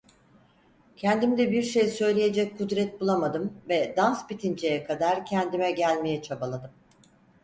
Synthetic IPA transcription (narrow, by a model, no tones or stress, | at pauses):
cʰɛnd̪imid̪ɛbiɾʃejsø̞jlʲejed͡ʒɛc̚kʰːud̪ɾɛt̪̚bulˠamad̪ɯmvɛd̪anspit̪ʰind͡ʒejɛkʰad̪aɾcʰɛnd̪imɛɟælʲmejɛt͡ʃʰabalˠad̪ɯm